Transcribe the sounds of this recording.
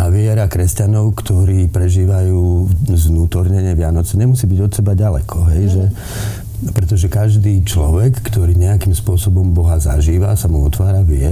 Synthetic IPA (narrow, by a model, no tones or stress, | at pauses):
ʔaʋɪɛɾakɾɛscanɔʊkt̪ɔɾiːpɾɛʒiːʋajuːznuːt̪ɔɾɲɛɲɛʋɪanɔt͡sɛɲɛmusiːbiɟɔt̪sɛbaɟalɛ̰kʰɔɦɛjʒɛ | pɾɛt̪ɔʒɛkaʒd̪iːt͡ʃlɔ̰ʋɛkːt̪ɔɾiːɲɛakimspʊɔsɔbɔmbɔɦaza̰ʒiːʋasamuɔt̪ʋaːɾaʋɪɛ